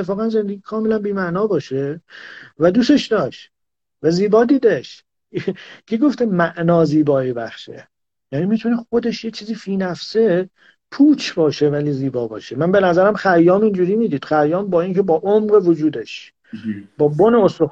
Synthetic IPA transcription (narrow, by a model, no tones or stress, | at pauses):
eefɒːɣænze̞nd̪eɡiːkʰɒːme̞lænbiːmæʔnɒːbɒːʃe | væd̪uːse̞ʃd̪ɒːʃt | væziːbɒːd̪iːd̪eʃ | cʰeɡo̞ft̪emæʔnɒːziːbɒːibæχʃḛ | jæːniːmit̪ʰunexo̞d̪e̞ʃjet͡ʃʰiːziːfiːnæfse | pʰuːt͡ʃʰbɒːʃe̞væliːziːbɒːbɒ̰ːʃemænbe̞næzæɾæmxæjːɒːmind͡ʒuːɾiːmiːd̪iːd̪̥xæjːɒːmbɒːiːŋcʰe̞bɒːʔomʁevod͡ʒuːd̪e̞ʃ | bɒːboneost̪o